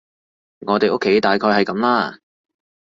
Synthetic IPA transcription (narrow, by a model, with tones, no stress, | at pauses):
ŋɔː˨˧t̪e˨jʔʊ˥kʰːe˨˥jt̪aː˨jkʰɔː˧jhɐ˨jkɐ˨˧˥mlaː˥